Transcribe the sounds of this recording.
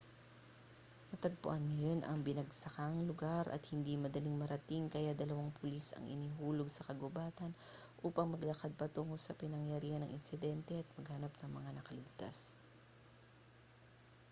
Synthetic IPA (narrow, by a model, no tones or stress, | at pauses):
mɐt̪ɐɡ̚pʊ̰ʔanŋɐjonʔɐ̰ŋbɪnɐɡsɐkaŋlʊɡaɾʔɐ̰t̪hɪnd̪imɐd̪ɐliŋmɐɾɐt̪iŋkɐjad̪ɐlɐwaŋpʰʊlisɐ̰ŋʔɪ̰niɦuːlo̞ɡsɐkɐɡobaːt̪ɐn | ʔuːpɐŋmɐɡlɐkad̪̚pɐt̪uŋosɐpɪnɐŋjɐɾiːhɐnɐŋʔɪnsɪd̪ɛnt̪ɛʔɐt̪̚mɐɡhɐnapnɐŋmɐŋanɐkɐlɪɡ̚t̪a̰s